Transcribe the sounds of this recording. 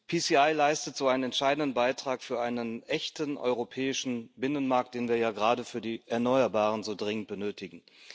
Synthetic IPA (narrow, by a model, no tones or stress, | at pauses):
pʰisiːaɪlaɪstətz̥oːʔaɪnənɛntʃaɪdn̩dən̩baɪtʁ̥aːkfyːɐʔaɪnənʔɛçtənʔɔ̰ʏʁopʰɛːɪʃn̩bɪnənmaɐk̚t̚d̥eːnviːɐjaːɡəʁaːdəfyːɐdiːʔɛɐnɔʏɐbaːʁ̞ənzoːdʁɪŋənt̚b̥ənøːtʰɪɡŋ̩